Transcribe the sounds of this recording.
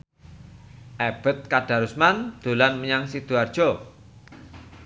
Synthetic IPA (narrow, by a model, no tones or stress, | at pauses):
ʔɛb̥ə̤t̪̚kad̥a̤ɾusmand̪̥ṳlanməɲaŋsid̪̥uard̥ʒ̥ɔ